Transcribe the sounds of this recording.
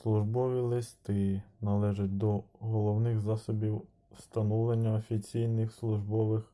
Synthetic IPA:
slˠʊʒbɔʋʲilˠɪst̪ɪnɐlˠɛʒʊt̚ʲd̪ɔɦɔlˠɔwnɪxzɑsɔbʲiw | st̪ɐnɔwlˠenʲːɐɔfʲit͡sʲijnɪxslˠʊʒbɔʋɪx

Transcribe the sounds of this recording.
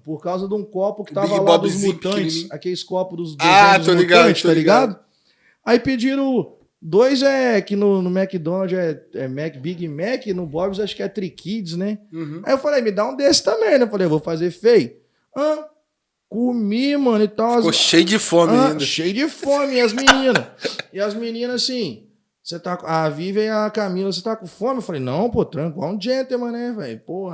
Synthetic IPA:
poɾkawzɐd̪ũkɔpʊkɪ̥t̪avɐlaab̪ʊzmut̪ɐ̃t͡ʃɪsakelɪskɔpʊd̪ʊzd̪oad̪ʊzolitɡaɐ̃t͡ʃɪstt̪aliɡad̪ʊ | aiped͡ʒiɾɐ̃ | d̪ojzɛkɪnʊnʊmɛkɪd̪õnɐd͡ʒɛɛmɛkɪbiɡɪmɛkɪnʊbɔbɪzaʃʊ̥kɪɛt̪ɾikʰid͡ʒɪsnɛ̃ajiewfalejmɪd̪aũd̪esɪ̥t̪ɐ̃mẽj̃nɛwfalejvowfazefej | ɐ̃ | komimɐ̃nʊɪt̪awoʃejd͡ʒɪfõmĩĩd̪ɐʃejʊd͡ʒɪfõmɪɐzminĩnɐsɪɐzminĩnɐzsĩ | set̪akavivẽj̃akamilɐs̬et̪akõfõmɪewfalejnɐ̰̃w̃pot̪ɾɐ̃ka̰ũd͡ʒẽt̪emɐ̃nɛfalḛjpohɐ

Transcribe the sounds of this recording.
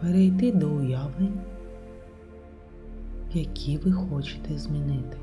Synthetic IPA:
peɾejt̪ɪd̪ɔʊjaʋɪ | jɐkʲʰiʋɪxɔt͡ʃɪ̥t̪ɛzʲmʲinɪt̪ɪ̥

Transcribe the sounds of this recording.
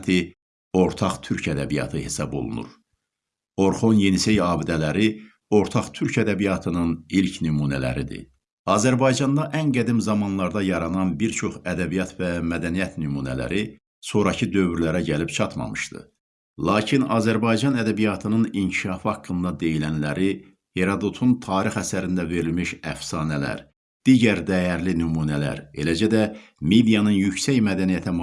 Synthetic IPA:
t̪ʰi | o̞ɾt̪ʰɑχt̪ʰyɾcʰæd̪æbijɑ̰t̪ʰɯhesɑbo̞̰lˠṵnṵɾ | o̞ɾχo̞nje̞nisejɑːbid̪ælæɾi | o̞ɾt̪ʰɑχt̪ʰyɾcʰæd̪æbijɑt̪ʰɯnɯnilcʰnymuːnælæ̰ɾid̪ḭ | ɑːzæɾbɑjd͡ʒɑnd̪ɑʔæŋɡæd̪imzɑmɑnlˠɑɾd̪ɑjɑɾɑnɑnbiɾt͡ʃʰo̞χæd̪æbijɑt̪væmæd̪ænijæt̪nymuːnæ̰læ̰ɾi | so̞ɾɑcʰɯd̪ø̞vyɾlæɾæɟælipt͡ʃʰɑt̪mɑ̰mɯ̥ʃt̪ɯ̰ | lˠɑːcʰinɑːzæɾbɑjd͡ʒɑnæd̪æbijɑt̪ʰɯnɯniɲcʰiʃɑːfɑkːɯnd̪ɑd̪e̞jilænlæɾi | heɾɑd̪ot̪ʰunt̪ʰɑːɾixæsæɾind̪æve̞ɾilmiʃæ̰fsɑːnælæ̰ɾ | d̪̥iːɟæɾd̪æjæɾlinymuːnælæ̰ɾe̞̰læd͡ʒæd̪æ | med̪ijɑnɯnjycsæjmæd̪ænijæt̪ʰæm

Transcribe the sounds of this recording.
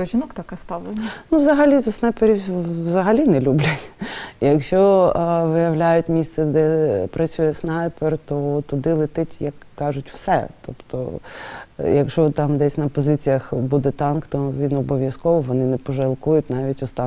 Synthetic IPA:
ʒʲinɔkt̪ɐkɑst̪ɑlˠenʲnuʋzɐɦɐlʲisnɑjpeɾʲiʋzɐɦɐlʲinɛlʲublʲɐtʲjɐkʃt͡ʃɔʋɪjɐwlʲajʊtʲmʲist̪sɛd̪ɛpɾɐt͡sʲujɛsnɑjpert̪ɔt̪ʊd̪ɪlˠɪt̪ɪtʲjɐkːɑʒʊtʲw̥sɛ̰t̪ɔ̰pt̪ɔ̰ | jɐkʃɔt̪ɑmd̪ɛsʲnɐpɔzɪt͡sʲijɐxbud̪ɛt̪ɑnkt̪ɔʋʲinɔbɔʋʲjɐskɔʋɔʋɔnɪnɛpɔʒɐlˠkujʊtʲnɑʋʲitʲɔst̪ɑ

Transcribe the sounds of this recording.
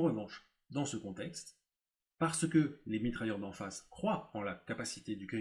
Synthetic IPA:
ʁəvɑ̃ʃ | d̪ɑ̃səkɔ̃t̪ɛkst̪ | paʁsəkəlemit̪χajœʁd̪ɑ̃faskχwaɑ̃lakapasi̥t̪ed̪yki

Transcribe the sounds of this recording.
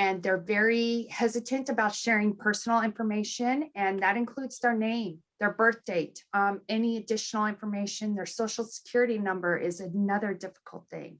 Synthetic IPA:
ɨ̃nðə˞vɛɹihɛzɨɾɨ̃ntɨbaʊtʃɛɹɪ̃ŋpʰɜ˞sn̩l̩ˠɪ̃ɱfə˞meɪʃɨ̃nɨ̃nðɨɾɨ̃nkʰl̥udz̥ðə˞nẽɪ̃mðə˞bɜ˞θd̥eɪtɛniɨdɪʃn̩l̩ˠɪ̃ɱfə˞meɪʃɨ̃nðə˞soʊʃl̩ˠsə̥kʰj̥ʊɹɨɾinʌ̃mbə˞ʔɪzɨnʌðə˞dɪfə̥kʰl̩ˠt̪̚θɪ̰̃ŋ

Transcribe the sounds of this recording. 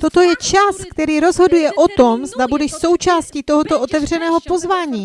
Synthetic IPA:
t̪o̞t̪o̞jɛt͡ʃaskt̪ɛɾiːɾo̞zɦo̞dujɛʔo̞t̪o̞mzd̪abudɛʃso̞wt͡ʃaːsciːt̪o̞ɦot̪oʔot̪ɛvr̝ɛnɛːɦo̞po̞zvaːɲiː

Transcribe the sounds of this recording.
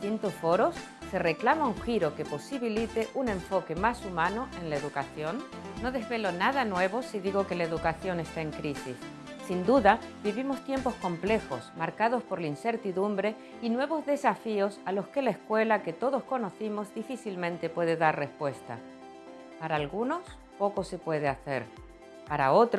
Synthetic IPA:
t̪int̪osfo̞ɾo̞sː | e̞re̞klamauŋxiɾo̞ke̞po̞siβilit̪eʔunẽ̞ɱfo̞ke̞masumãnoʔe̞nlaeðukaθjo̞nː | o̞ðe̞zβe̞lo̞naðanwe̞β̞o̞siðiɣo̞ke̞laeðukaθjo̞ne̞st̪ae̞ŋkɾisisː | ind̪uðabiβimo̞st̪je̞mpo̞sko̞mple̞xo̞̰smaɾkaðo̞spo̞ɾlainse̞ɾt̪iðumbɾe̞ | inwe̞β̞o̞zðe̞safio̞salo̞ske̞laeskwe̞lake̞t̪o̞ðo̞sko̞no̞θimo̞zðifiθilmẽ̞nt̪e̞pwe̞ðe̞ðarre̞spwe̞st̪a̰ | paɾaːlɣuno̞s | po̞ko̞se̞pwe̞ð̞eaθe̞̰ɾ | paɾa̰o̞t̪ɾ

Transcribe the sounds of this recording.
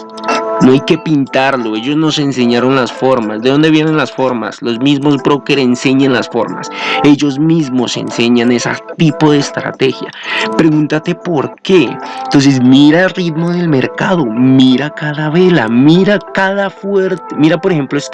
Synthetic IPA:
no̞ajke̞pint̪aɾlo̞e̞ʝo̞zno̞sense̞ɲaɾo̞nlasfo̞ɾmazd̪eðo̞nd̪e̞βje̞ne̞nlasfo̞ɾma̰slo̞zmizmo̞s̬pɾo̞keɾense̞ɲanlasfo̞̰ɾma̰se̞ʝo̞zmizmo̞se̞̰nse̞ɲane̞sa̰t̪ipo̞ðeːst̪ɾa̰t̪e̞xja̰pɾe̞ɣunt̪at̪e̞po̞ɾke̞nt̪o̞ns̬e̞s̬miɾarid̪mo̞ðe̞lme̞ɾkaðo̞miɾakaðaβe̞la̰miɾakaðafwe̞ɾt̪emiɾapo̞ɾexe̞mploes

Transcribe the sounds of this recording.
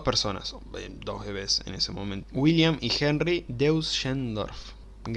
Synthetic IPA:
peɾsona̰s | ḛd̪ohβeβesḛnesemomẽnt̪wiljamixenrid̪ewsʃend̪o̰ɾf | ɡ

